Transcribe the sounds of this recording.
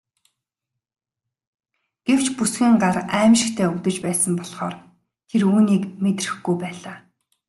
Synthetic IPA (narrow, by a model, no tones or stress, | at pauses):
ɡ̥ew̥t͡ɕʰpusɡĭŋɢaræːmʃɪ̆kt̪ʰeːut̪ɘ̆t͡ɕpæːsə̆mpɔɮχɔ̰ːr | t̪ʰeruːniːkmet̪rɘ̆xɡujpæːɮaː